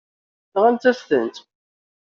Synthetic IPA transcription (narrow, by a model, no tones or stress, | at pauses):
θʁænt̪ːæst̪ənt̪